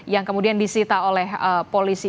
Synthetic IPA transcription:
jaŋkəmudiandisit̪aolɛhəpolisi

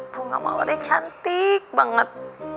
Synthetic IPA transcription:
b̥uŋa̰ma̰a̰ɾɛt͡ʃant̪ik̚baŋət̪̚

